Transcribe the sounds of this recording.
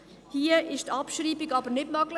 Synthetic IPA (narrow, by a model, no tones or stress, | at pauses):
hiəʔɪʃtɑpʃɾiːbɪɡɑbəɾnɪtmɑɡlə